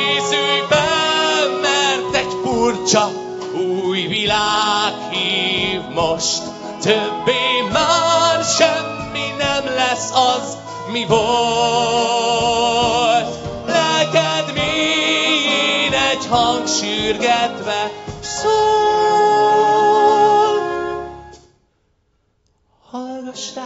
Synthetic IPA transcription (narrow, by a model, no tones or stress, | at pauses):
esybɛ | mɛrt̪ɛɟfurt͡ʃɒ | uːjvilaːkhiːvmoʃt̪ | t̪øbːeːmaːrʃɛmːinɛmlɛsːɒz | mivo | lt̪ | lɛkɛd̪mi | nɛɟhɒŋɡʃyːrɡɛt̪ʋɛso | hɒlɡɔʃ